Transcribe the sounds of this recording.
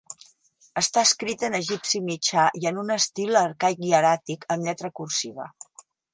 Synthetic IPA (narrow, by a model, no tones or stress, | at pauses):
əst̪aəskɾit̪ənəʒipsimit͡ʃaʔiənunəst̪ilˠəɾkajiəɾat̪ikəmʎɛt̪ɾəkursiβə̰